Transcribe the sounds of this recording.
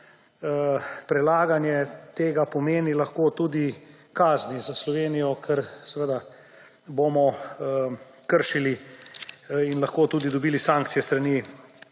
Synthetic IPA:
pɾɛlaːɡanjɛt̪eːɡapɔmeːnilɐxkoːt̪uːd̪i | kaːznizaslɔʋeːnijɔkʰɛɾsɛʋəd̪a | bomɔ | kəɾʃili | inlɐxkoːt̪uːd̪id̪ɔbiːlisãŋk̚t̪sijɛst̪ɾani

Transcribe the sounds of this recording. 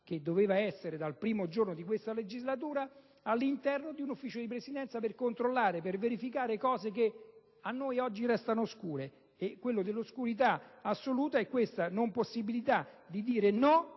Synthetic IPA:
ked̪ːoveːvaɛsːeɾed̪alpɾiːmod͡ʒornod̪ikwest̪aled͡ʒizlat̪̬uːɾa | alːint̪ɛrnod̪iunufːiːt͡ʃod̪ip̬ɾesid̪ɛnt̪saperkont̪ɾolːaːɾeperveɾifikaːɾekɔːzeke | anːojɔd͡ʒːirɛst̪anoskuːɾe | ekːwelːod̪elːoskuɾit̪aasːoluːt̪aekːwest̪anomposːibilit̪ad̪id̪iːɾenɔ

